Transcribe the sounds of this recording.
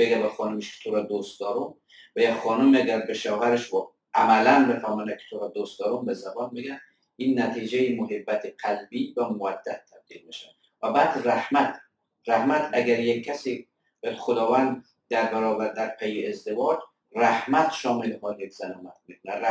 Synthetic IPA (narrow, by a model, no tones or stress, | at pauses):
beɡæbæxɒːnomeʃkʰe̥t̪ʰoɾɔːd̪ost̪d̪ɒːɾom | væjexɒːnomiæɡæɾbeʃɒːhæɾeʃvɔ | ʔæmælænbefæmɔnækʰe̥t̪ʰoɾɒːd̪ost̪d̪ɒːɾombezæbɒːnbeɡæ | inːæt̪ʰiːd͡ʒejemoɦebːæt̪ʰeqælbiːvæmovæd̪ːæt̪ʰːæb̚d̪̥iːlbeʃæ | væbæːd̪ræhmæt̪ʰ | ræhmæt̪ʰæɡæɾjekʰːæsiː | bɒːjæd̪xod̪ɒːvænd̪ | d̪̥æɾbæɾɒːbæɾd̪æɾpʰejeezd̪evɒːd͡ʒ | ræhmæt̪ʃɒːmelhɒːljekz̥ænɒːmæt̪̚mikʰonæ